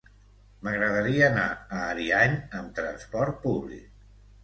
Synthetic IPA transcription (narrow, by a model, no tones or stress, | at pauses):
məɣɾəðəɾiəːnaəːɾiaɲəmt̪ɾənspɔɾt̪̚puβlḭk̚